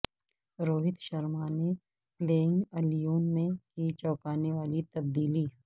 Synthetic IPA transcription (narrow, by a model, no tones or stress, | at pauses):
ɾoːɦɪt̪ʃɐɾmaːne | pleːɪ̃ŋɡɐlijoːnmẽkit͡ʃɔːkaːneʋaːlit̪ɐbd̪iːliː